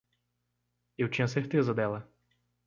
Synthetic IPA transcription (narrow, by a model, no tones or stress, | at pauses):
ewt͡ʃĩɲɐseɾt̪ezɐd̪ɛlɐ